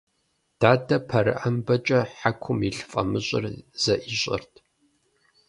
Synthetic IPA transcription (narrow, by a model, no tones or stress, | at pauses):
d̥aːdɐpʰɐɾɨ̰ʔɐmbɐt͡ʃʼɐħakʷʰʊmiɬfʼɐmɨɕʼɪ̰rz̥ɐʔiɕʼɪ̰rtʰ